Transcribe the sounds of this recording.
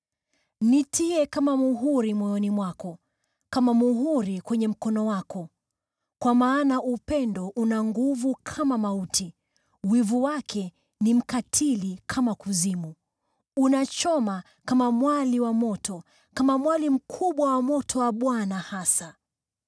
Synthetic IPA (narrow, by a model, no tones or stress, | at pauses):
nitʰiɛkamamuɦuɾimwɔjɔnimwakɔ | kamamuɦuɾikwɛɲɛm̩kɔnɔwakɔ | kwamaːnaʔupɛndɔʔunaŋɡuvukʰamamautʰi | wivuwakʰɛ | nim̩katʰilikʰamakuzimu | unat͡ʃɔma | kamamwaliwamɔtʰɔ | kamamwalim̩kʰuɓwawamɔtʰɔwaɓwanahasa